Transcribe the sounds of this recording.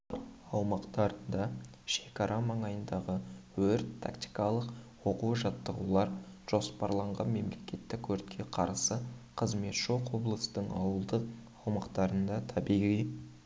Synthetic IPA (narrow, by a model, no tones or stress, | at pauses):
ɑwmɑqt̪ɑɾənd̪ɑ | ʃe̞kɑɾʔɑmɑɴɑjənd̪ɑʁəwɵɾt̪ʰːa̰kt̪i̥jkɑlˠəqwoquʒɑt̪ːəʁṵlˠɑɾʒ̥o̞spɑɾlˠɑɴʁɑ̰nme̞mle̞kʲe̞t̪ːɪkʲʰːɵɾt̪kʲʰe̞qʰɑɾsəqʰəzme̞t̪ʃoqwo̞blˠəsəd̪əɴɑ̰wəlˠd̪əq | ɑwmɑqt̪ɑɾənd̪ɑt̪ʰɑbijʁij